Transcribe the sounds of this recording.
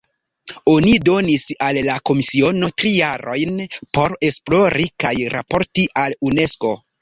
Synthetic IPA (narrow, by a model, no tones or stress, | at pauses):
o̞nido̞nisalːako̞misio̞no̞tɾijaɾo̞jnpo̞ɾe̞splo̞ɾikajɾa̰po̞ɾtiʔalune̞sko̞